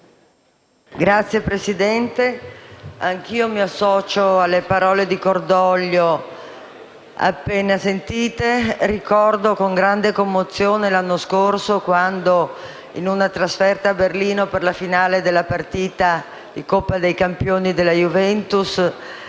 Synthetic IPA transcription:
ɡɾat̪sːjepɾesid̪ɛnt̪e | aŋk̟iːomiasːɔːt͡ʃoalːepaɾɔːled̪ikord̪ɔlːo | a̰pːeːnasent̪iːt̪erikɔrd̪okoŋɡɾand̪ekomːot̪sːjoːnelanːoskorsokwand̪o | inunat̪ɾasfɛrt̪aːberliːnoperlafinaːled̪elːapart̪iːt̪a | d̪ikopːad̪ejkampjoːnid̪elːajuvɛnt̪us

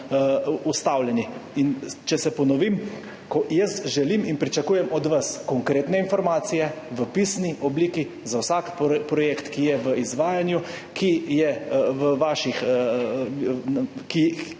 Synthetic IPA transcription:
ust̪awlɛniint͡ʃɛsɛpɔnɔʋim | kɔjəst̪ʒɛliːminpɾit͡ʃakuːjɛmɔd̪ʋaskɔŋkɾeːt̪nɛinfɔɾmaːt̪sijɛʋəpisniʔɔbliːki | zawsakpɾɔjeːkt̪kijɛʋəizʋaːjanjukʰijɛʋəʋaːʃix | ki

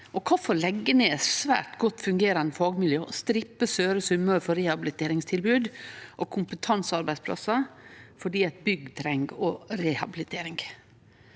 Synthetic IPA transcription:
ʔɔkʰɑːfɔɭɛɡːənəɛsʋæ̰ːʈɡɔt̪ːfʉŋɡeːɾɑnd̪əfɑːɡmɪljøːɔst̪ɾɪpːəsøːɾəsʉmːəɾfɔɾɛhɑbɪlɪt̪ʰeːɾɪŋst̪ʰɪlbʉːd̪ʔɔkʰʊmpət̪ʰɑnsɑɾbæɪspʰlɑ̰sɑfɔɖiːɛt̪̚bʏɡt̪ʰɾɛŋɡɔɾɛhɑbɪlɪt̪ʰeːɾɪŋɡ

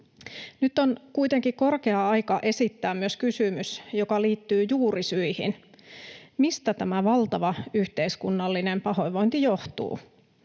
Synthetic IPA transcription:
nyt̪ːonkuit̪e̞ŋkiko̞rkeɑɑjkɑʔe̞sit̪ːæːmmyøskysymysjokɑliːt̪ːyːjuːɾisyihḭn | mist̪æt̪æmæʋɑlt̪ɑʋɑyht̪e̞iskunːɑlːine̞mpɑho̞jʋo̞int̪ijo̞ht̪ṵː

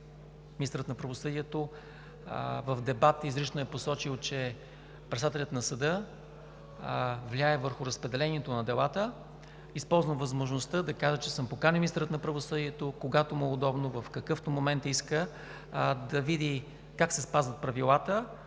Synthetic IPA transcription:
mʲinist̪ɾət̪nɐpɾɐvosɤd̪iɛt̪o | vəfd̪ɛbat̪izɾit͡ʃnoɛposɔt͡ʃilˠt͡ʃɛ | pɾɛt̪st̪at̪ɛlʲət̪nɐsəd̪ɤ | vlʲaɛvəɾxʊɾəspɾɛd̪ɛlɛniɛt̪onɐd̪ɛlˠat̪ə | ispɔlˠzvəmvɐzmoʒnost̪əd̪ɐkaʒət͡ʃɛsɤmpokanimʲiist̪ɾət̪nɐpɾɐvosɤd̪iɛt̪okoɡat̪omʊɛod̪ɔbnovɐfkɐkɤft̪omomɛnt̪iskə | d̪ɐvid̪i | kaksɛspazvət̪̚pɾɐvilˠat̪ə

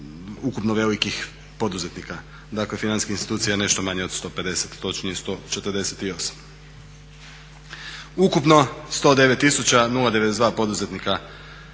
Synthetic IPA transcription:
ukupnoʋe̞likix | po̞d̪uze̞t̪nika | d̪akle̞finanskiçinst̪i̥t̪uːt̪sijane̞ʃt̪o̞maɲeo̞d̪st̪o̞pe̞d̪e̞set̪ːo̞t͡ʃniest̪ot͡ʃet̪əɾd̪e̞set̪io̞sḁm | ukupno̞st̪o̞ːd̪e̞ʋet̪ːisut͡ɕanulˠad̪ee̞d̪ezd̪ʋaːpo̞d̪uze̞t̪nika

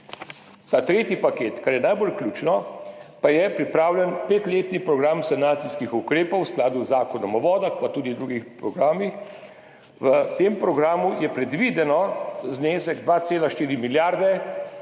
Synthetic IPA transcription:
t̪aːt̪ɾeːt̪jipakeːt̪kaɾjɛnajbolklʲuːt͡ʃnɔpajɛpɾipɾaːwljɛnpeːt̪leːt̪nipɾɔɡɾamsanaːt̪siskixukɾeːpɔwsklaːd̪uzaːkɔnɔmɔʋɔːd̪axpat̪uːd̪id̪ɾuɡixpɾɔɡɾaːmix | ʋət̪eːmpɾɔɡɾaːmujɛpɾɛd̪ʋid̪ɛnɔzneːsɛɡd̪ʋaːt̪seːlaʃt̪iːɾimiljaːɾd̪ɛ

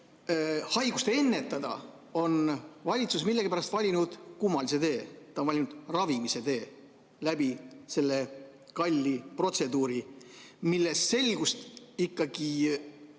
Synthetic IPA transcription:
hɑjɡ̥ust̪ee̞nːe̞t̪ːˑɑd̪̥ɑ̰ | o̞nvɑlʲit̪susmilːe̞ɡ̥ipæɾɑst̪vɑlʲinud̪̥kumːɑlise̞d̪e̞ːt̪ˑɑonvɑlinud̪̥rɑvimise̞d̪e̞ː | læbise̞lːe̞kɑlʲːipro̞t̪se̞d̪uːɾimilːe̞sːe̞lɡ̥ust̪ikːɑɡ̥i

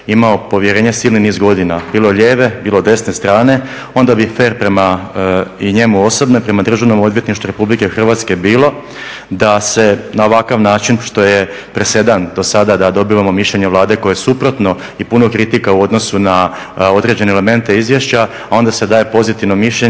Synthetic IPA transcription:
imao̞po̞ʋjeɾe̞ːɲe̞siːlniniːzɡo̞d̪inabiːlo̞ʎeːʋe̞biːlˠo̞d̪e̞sne̞st̪ɾaːne̞ | o̞nd̪abife̞ːɾpɾema | ɲe̞muo̞so̞bnojpɾe̞mad̪r̩ʒaʋno̞mo̞d̪ʋjet̪niʃt̪uɾe̞publikexr̩ʋat̪ske̞biːlo̞ | d̪ase̞naoʋakaʋnaːt͡ʃinʃt̪o̞je̞ | pɾese̞d̪and̪o̞sad̪ad̪ad̪o̞biʋamo̞miʃʎe̞ɲe̞ʋlˠaːd̪e̞ko̞jeesupɾo̞t̪no̞ | ipunokɾit̪ikauo̞d̪no̞suna | o̞d̪ɾe̞d͡ʑe̞neːle̞me̞nt̪e̞izʋjeʃt͡ɕa | ao̞nd̪ase̞d̪aːje̞po̞zit̪iʋno̞miʃʎe

